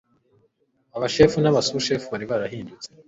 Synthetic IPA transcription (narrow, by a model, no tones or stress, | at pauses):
aβaʃeːfunaβasuʃefuβaɾiβaɾahiːndut͡se̥